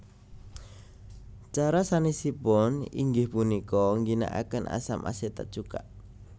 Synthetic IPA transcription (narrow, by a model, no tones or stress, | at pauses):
t͡ʃaɾasanisipɔnḭŋɡɪhpunikɔŋɡina̰ʔa̰kənʔa̰samʔa̰set̪at͡ʃuka̰ʔ